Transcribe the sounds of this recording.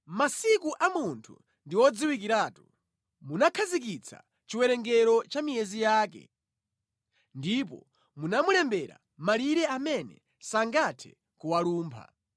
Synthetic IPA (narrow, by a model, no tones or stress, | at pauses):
masikuʔamuntʰṵ | ndiwɔd͡ziwikiɾaːtu | munakʰazikit͡sʰa̰ | t͡ʃiwɛɾɛŋɡɛɾɔt͡ʃamijɛzijaːkɛ̰ | ndip̬ɔ̰ | munamulɛmbɛɾa̰ | maliɾɛamɛnɛ̰ | saŋɡatʰɛ̰ | kuwaluːmpʰa̰